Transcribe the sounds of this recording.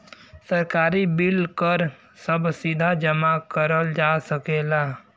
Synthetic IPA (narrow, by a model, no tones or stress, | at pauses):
səɾkaːɾibɪlkəɾ | səbsid̪ʱad͡ʒəmakəɾəld͡ʒaːsəkeːlaː